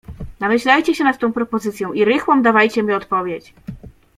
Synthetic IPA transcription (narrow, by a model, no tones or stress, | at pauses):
namɘɕlajt͡ɕɛɕɛnat̪t̪ɔ̃w̃pɾɔpɔzɘt̪sʲjɔ̃w̃iɾɘxwɔmd̪avajt͡ɕɛmʲiɔt̪pɔvʲjet͡ɕ